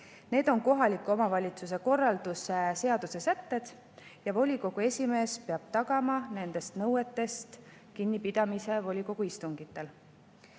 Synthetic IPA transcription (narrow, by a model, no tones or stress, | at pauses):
ne̞ːd̪̥o̞ŋko̞ɦɑlʲikːˑuo̞mɑvɑlʲit̪sus̬e̞ko̞rːɑld̪̥use̞se̞ɑd̪̥use̞sæt̪ːe̞d̪̥ | jɑvo̞lʲiko̞ɡ̥ue̞sʲime̞ːspe̞ɑb̥t̪ɑɡ̥ɑmɑne̞nd̪̥e̞st̪nɤwe̞t̪ːe̞st̪ | kinʲːipid̪̥ɑmise̞vo̞lʲiko̞ɡ̥uist̪uŋɡ̥it̪ːˑe̞l